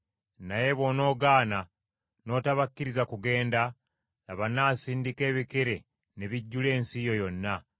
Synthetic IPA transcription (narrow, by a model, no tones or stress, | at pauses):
naje̞βo̞no̞ːɡaːna | no̞ːtaβakːiɾizakuɡe̞ːnda | laβanaːsiːndike̞ːβikeɾe̞ | neβiɟːule̞ːnsijo̞jo̞nːa